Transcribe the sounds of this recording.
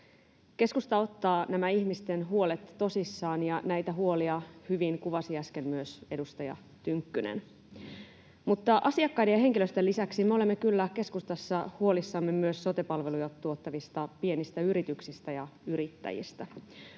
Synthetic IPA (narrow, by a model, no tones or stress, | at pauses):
ke̞skust̪ɑo̞t̪ːɑːnæmæiçmist̪enɦuo̞let̪ːo̞sisːɑːnjɑnæjt̪æɦuo̞liɑhyʋiŋkuʋɑsiæskenmyøse̞dust̪ɑjɑ̰ | t̪yŋkːynḛn | mut̪ːɑʔɑsiɑkːɑjdejɑɦe̞ŋkiløst̪elːisæksimeo̞le̞mːekylːæk̟e̞skust̪ɑsːɑhuo̞lisːɑmːemyøsːo̞t̪epɑlʋe̞lujɑt̪t̪ːuo̞t̪ːɑʋist̪ɑpienist̪æyɾit̪yksist̪æjɑyɾit̪ːæ̰jḭst̪æ